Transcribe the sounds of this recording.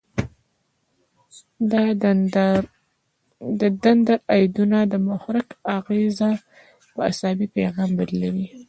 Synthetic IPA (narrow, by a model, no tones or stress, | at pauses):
d | d̪əd̪and̪aɾajd̪unad̪əmʊhɾɪkaɣeza | pəasɑbipeɣɑmbad̪lawi